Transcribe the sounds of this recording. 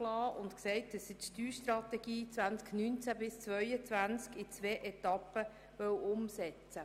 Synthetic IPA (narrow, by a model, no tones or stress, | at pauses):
lɑːʔʊnt̪ksɛɪt̚d̥ɑsitʃtyːɾʃt̪ɾɑt̪ɛɡiːt͡svænt͡sknynt͡sæbɪst͡svʋœʏət͡svænt͡skɪt͡sʋɛːʔet̪ɑpə | ʋœwʊmsɛt͡sə